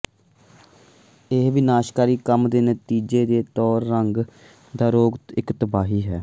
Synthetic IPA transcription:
ɪɦʋɪnaːʃkaːɾiːkəmd̪eːnət̪iːd͡ʒeːd̪eːt̪ɔːɾːəŋɡ | d̪aːɾoːɡɪkt̪əbaːɦiːɦɛː

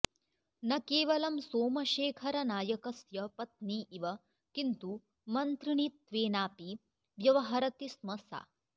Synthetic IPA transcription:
nɐkeːʋɐlɐmsoːmɐʃeːkʰɐɾɐnaːjɐkɐsjɐpɐt̪̚niːʔiʋɐ | kint̪u | mɐnt̪ɾiɳit̪ʋeːnaːpi | ʋjɐʋɐɦɐɾɐt̪ismɐsa̰ː

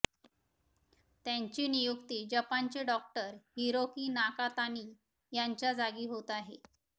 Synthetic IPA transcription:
t̪jaɲt͡ɕiːnijukt̪iːd͡ʑəpaɲt͡ɕeɖɔk̚ʈəɾhiɾokiːnakat̪aniː | jaɲt͡ɕjad͡zaɡiːɦot̪aɦe

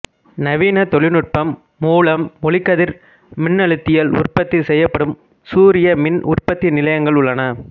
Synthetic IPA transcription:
nɐʋiːnɐt̪ɔɭɪnɯr̚pɐmː | uːɭɐmːɔɭɪkːɐðɪɾ | mɪnːɐɭɯt̪ːɪjɐlʊ̰rpɐt̪ːɪsɛjːɐpːɐɽɯm | suːɾɪjɐmɪnʔʊ̰rpɐt̪ːɪnɪlɐjɐŋɡɐɭʊɭːɐnɐ

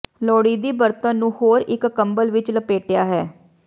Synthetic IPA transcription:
lɔːɽiːd̪iːbəɾt̪ə̃nːũːhoːɾɪkːəmbəlʋɪt͡ʃləpeːʈjaːɦɛː

